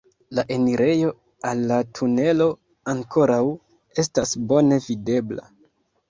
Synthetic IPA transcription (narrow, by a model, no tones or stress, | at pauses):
laʔe̞niɾe̞jo̞ | alːatʰune̞lo̞ | aŋkʰo̞ɾaw | e̞s̬tasbo̞ne̞vide̞bla̰